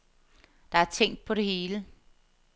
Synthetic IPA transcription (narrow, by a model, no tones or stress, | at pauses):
d̥ɑ̈æɐt͡sʰeŋ̰d̥̚pʰɒ̽ɾe̝he̝ːlə